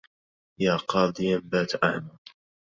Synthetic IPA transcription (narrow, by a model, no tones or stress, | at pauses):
jaːqɑːd̪ˤɨjambaːt̪ʔaʕma